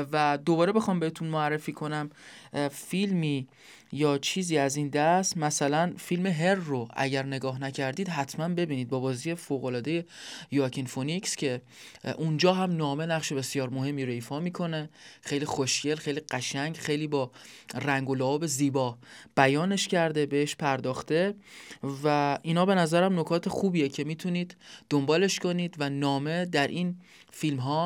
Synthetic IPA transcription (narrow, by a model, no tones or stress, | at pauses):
væd̪o̞bɒːɾe̞be̞xɒːmbe̞heːt̪ʰunmoærːefiːkʰo̞næm | filmiː | jɒːt͡ʃʰiːziːæzind̪æst̪mæsælænfilme̞ɦe̞rːoæ̰ɟæɾne̞ɡɒːɦnæcʰæɾd̪iːd̪ɦæt̪ʰmænbe̞biːniːd̪̚bɒːbɒːziːje̞foːɣo̞lɒːd̪e̞je̞jucʰinfonikscʰe̞ | ʔund͡ʒɒːɦæmnɒːme̞næχʃe̞be̞sjɒːɾmoɦe̞mːiːɾoifɒːmiːkʰo̞ne̞xejliːxoʃɟe̞lxejliːɢæʃæɲɟxejliːbɒː | ræŋɡolævɒːbe̞ziːbɒːb̥æjɒːne̞ʃcʰæɾd̪e̞be̞eʃpʰæɾd̪ɒːxt̪e̞ | væʔinhɒːbe̞næzæɾæmno̞kʰɒːt̪ʰe̞xuːbiːjecʰe̞miːt̪ʰuniːd̪ːombɒːle̞ʃkʰo̞niːd̪vænɒːme̞d̪æɾʔin | filmɦɒː